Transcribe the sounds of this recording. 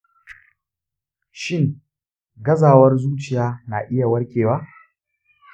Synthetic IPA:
ʃɪ˦ŋ | ɡɐ˦zaː˨wɐ˦rzuː˦t͡ʃɪ˨jaː˦naː˨ʔɪ˦ja˨wɐ˦rkʲeː˨waː˦

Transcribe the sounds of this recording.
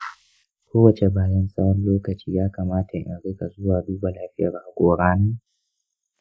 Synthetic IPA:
kʷoː˦wɐ˨t͡ʃe˨baː˨jɐ˦nsʼɐ˦ɽɔ˦nloː˦kɐ˨t͡ʃiː˦jaː˦kaː˨maː˦tʰa˨ʔɪ̰˨ɽɪ˦ka˨zʊ˦waː˨duː˦ba˨laː˦ɸɪ˦ja̰ː˨ɾa˨ʔkʷoː˨ɽaː˦naː˦

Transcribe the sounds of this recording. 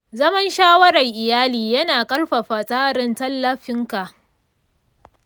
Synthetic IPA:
zɐ˦mɐ˦nʃaː˦wɐ˦ɾɐ˨ŋʔɪ˨jaː˦liː˨jɐ˦naː˨kʼɐ˦rɸa˨ɸa˨saː˦ɾɪ˨ntɐ˦lːɐ˨ɸɪ˦ŋka˨ʔ

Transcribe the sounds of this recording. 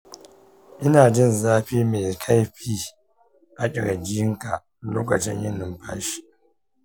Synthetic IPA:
ʔɪ˦naː˨d͡ʒɪ˦˨nzaː˦ɸiː˦me˨kʰa˦jɸiː˦ | ʔa˨kʲʼɪ˨ɽa˨ɡʲɪ˦ɪ˦ŋka˨ | loː˦kɐ˨t͡ʃɪ̰˦ɲjɪ˦nːɪ˨mpa̰˦ʃi̥˨

